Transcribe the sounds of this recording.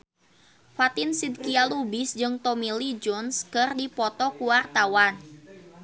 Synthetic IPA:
fat̪ɪnsid̪̚kialubɪsd͡ʒɨŋt̪ɔmilid͡ʒɔnskɨrdipɔt̪ɔkuwart̪awan

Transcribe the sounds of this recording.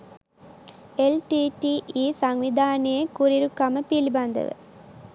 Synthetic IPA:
elʈiʈiiːsɐŋʋid̪ʱaːnijɐkuɾiɾukːɐmɐpilibɐnd̪ɐ̰ʋɨ̰

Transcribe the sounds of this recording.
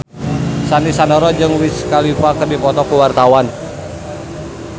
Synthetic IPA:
sanisanɔɾɔd͡ʒɨŋwiskalifakədipɔt̪ɔkuwart̪awan

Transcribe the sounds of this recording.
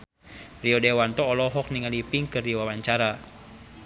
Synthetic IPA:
riɔdewant̪ɔːlɔɦɔk̚niŋalipiŋkɨriwawaɲt͡ʃaɾa

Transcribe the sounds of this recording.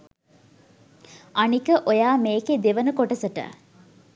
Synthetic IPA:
ʔɐnikəʔojaːmeːked̪eʋɐnəkoʈɐsɐʈə̰

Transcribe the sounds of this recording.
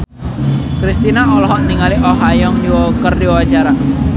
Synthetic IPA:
kɾist̪inaɔlɔɦɔʔniŋaliʔɔɦajɔŋdiwɔkərdiwɔwad͡ʒaɾa

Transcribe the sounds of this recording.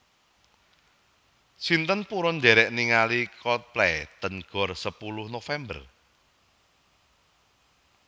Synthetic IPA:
sint̪ənpuɾɔnd̪ɛɾɛʔniŋalikɔt̪̚plɛt̪ənɡ̥ɔ̤rsəpulʊhnofɛmbər

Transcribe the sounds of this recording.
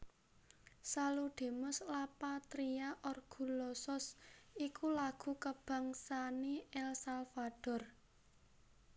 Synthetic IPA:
saluɖ̥e̤mʊslapat̪ɾiaʔɔrɡ̥ṳlɔsɔsikulaɡ̥ṳkəb̥a̤ŋsaneɛlsalfad̥ɔ̤r

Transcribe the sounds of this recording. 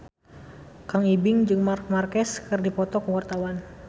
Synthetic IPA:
kaŋibɪŋd͡ʒɨŋmamarkɛskɨrdipɔt̪ɔkəwart̪awan

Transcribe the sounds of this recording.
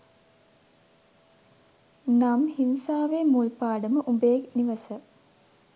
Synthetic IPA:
namhinsaːʋeːmulpaːɖəməʔubeːkniʋəsə

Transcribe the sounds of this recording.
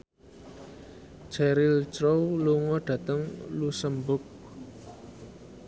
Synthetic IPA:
d͡ʒɛɾɪlt͡ʃɾowluŋɔɖ̥ä̤t̪əŋlusəmbʊk̚

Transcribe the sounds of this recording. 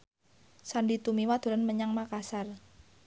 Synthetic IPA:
sanɖit̪umiwad̪̥o̤ɾanməɲaŋmakasar

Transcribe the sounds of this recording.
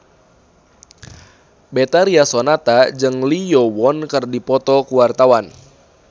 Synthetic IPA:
bet̪aɾiasonat̪ad͡ʒɨŋlijɔwɔnkɨrdipɔt̪ɔkuwart̪awan

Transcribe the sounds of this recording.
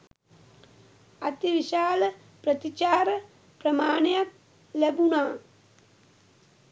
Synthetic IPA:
ɐt̪iʋiʃaːlə | pɾət̪it͡ʃaːɾə | pɾɐmaːɳejak̚ | læbunaː

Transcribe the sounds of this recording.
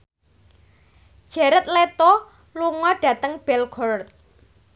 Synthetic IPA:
d̥ʒ̥ɛ̤ɾət̪̚let̪o | luŋɔɖ̥ä̤t̪əŋb̥ɛlɡʰɔrt̪̚

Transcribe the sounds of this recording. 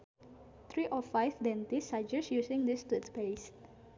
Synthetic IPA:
t̪ɾiʔɔfajfd̪ɛ̃nt̪isad͡ʒɛsjusɪ̃ŋd̪ist̪ut̪pes

